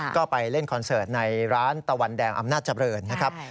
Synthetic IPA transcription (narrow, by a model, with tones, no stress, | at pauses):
kɔː˥˩pa˧jle˥˩nkʰɔ˧nsɤː˨˩t̪̚na˧jɾaː˦˥nt̪a˧wa˧ndɛː˧ŋʔa̰˧mnaː˥˩t̪̚t͡ɕa˧mɾɤː˧nːa˦˥kʰɾa˦˥p̚